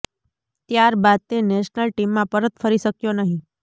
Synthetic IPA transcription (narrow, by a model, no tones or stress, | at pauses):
t̪jaɾbad̪̚t̪eneʃnəlʈimːãpəɾət̪fəɾiʃəkjonəɦĩ